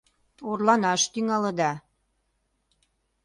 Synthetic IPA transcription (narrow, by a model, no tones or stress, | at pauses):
orlɑnɑʃt̪yŋɑlə̆d̪ɑ